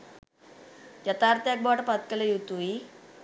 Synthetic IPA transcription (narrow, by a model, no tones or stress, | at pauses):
jat̪aɾt̪jak̚bɔʈpat̪kalejut̪ui